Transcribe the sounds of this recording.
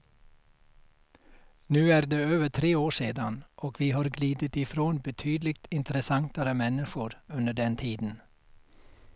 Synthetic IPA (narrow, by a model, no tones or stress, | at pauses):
nʉːæːɾd̪eːøːʋəʈʰɾeːoːʂeːd̪anʔɔkʋiːɦɑːɾɡliːd̪ət̪ɪfɾoːnbɛt̪ʰyːd̪lɪk̚t̪ɪnt̪əɾəsɑŋt̪aɾəmɛnːɪʂʊɾɵnd̪əɖɛnt̪ʰiːd̪n̩